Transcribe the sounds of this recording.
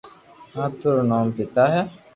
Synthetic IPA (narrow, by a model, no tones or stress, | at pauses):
at̪uɾnɔmpit̪aɦɛ